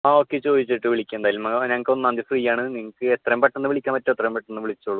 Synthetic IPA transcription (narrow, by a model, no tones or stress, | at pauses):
aːoːkʲːet͡ɕo̞ːd̪it͡ɕːiʈːɨʋiɭikʲːumend̪ajːlumnɐŋːɐkːeonɨːand̪iɐfriːjaːɳɨniŋːɐkːɨet̪ːrɐjmpɐʈːenːɨʋiɭikʲːaːmpɐtːumet̪rɐjmpɐʈːenːɨʋiɭit͡ɕːoɭːu